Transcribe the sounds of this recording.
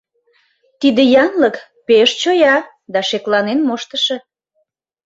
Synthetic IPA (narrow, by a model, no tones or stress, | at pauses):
t̪id̪ejɑnlək | peʃt͡ɕojɑ | d̪ɑʃeklɑnenmoʃt̪əʃĕ